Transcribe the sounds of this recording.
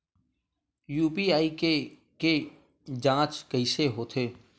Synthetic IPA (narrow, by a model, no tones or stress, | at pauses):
juːpiːaːiːke | keː | d͡ʒãːt͡ʃkəɪseːɦoːt̪ʰeː